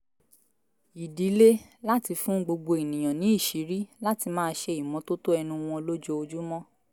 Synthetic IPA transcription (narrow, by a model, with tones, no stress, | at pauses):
i˨di˨˦le˦ | la˦ti˧fũ˦ɡ͡bo˧ɡ͡bo˧i˨nĩ˨j̃ã˨nĩ˨˦i˦˨ʃi˨˦ɾi˦la˦ti˧mãː˦˧˦ʃe˧i˨mɔ̃˨˦to˦to˦ɛ˧nũ˧w̃ɔ̃˧lo˦d͡ʒo˧o˧d͡ʒu˦mɔ̃˦